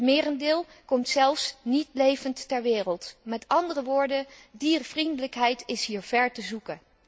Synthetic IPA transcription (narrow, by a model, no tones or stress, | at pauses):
tmɪːrəndɪːlˠkɔmtsɛlˠfsnitlejvəntːɛɹʋɪːrəlˠtmɛtɑndərəʋʊːɹdədiːrv̥rindələkɦɛjtɪsɦiːɹv̥ɛɹtəzukən